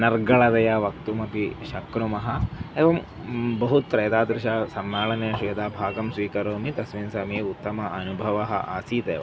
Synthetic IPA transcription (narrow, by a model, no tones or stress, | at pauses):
nɐɾɡɐɭɐd̪ɐjaːʋɐk̚t̪umɐpiʃɐkɾumɐɦɐeːʋɐm | bɐɦut̪ːɾɐjt̪aːd̪ɾɪʃaːsɐmːaːɭɐneɐʃijɐd̪aːbʱaːɡɐmsʋiːkɐɾoːmit̪ɐsʋinsɐːmeːut̪ːɐmɐʔɐnubʱɐʋɐɦɐ̰̆ʔaːsiːt̪eːʋɐ̰